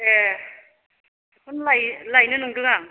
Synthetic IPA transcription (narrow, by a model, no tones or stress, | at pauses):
e | kʰɔnlajlajnɯnɯŋdɯŋaŋ